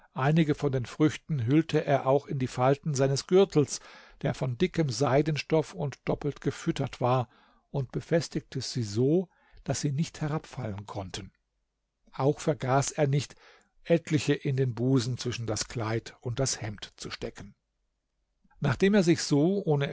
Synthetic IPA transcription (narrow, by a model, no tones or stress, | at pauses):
ʔaɪnɪɡəfɔndeːnfʁ̥ʏçtn̩ɦʏltʰəʔeːɐʔaʊxɪndiːfaltn̩zaɪnəsɡ̥ʏɐtʰl̩sd̥eːɐfɔndɪkəmzaɪdən̩ʃtɔfʊntd̥ɔpl̩tɡ̥əfʏtɐtv̥aːɐ | ʔʊntb̥əfɛstɪk̚tʰəz̥iːzoː | d̥asz̥iːnɪçthɛʁapfalənkʰɔntʰən | ʔaʊxfɛɐɡaːseːɐnɪçt | ʔɛtʰlɪçəʔɪndeːnbuːzn̩t͡sv̥ɪʃn̩daskl̥aɪtʊnt̚d̥ashɛmtt͡suʃtɛkən̩ | naːχd̥eːmeːɐzɪçz̥oːʔoːnə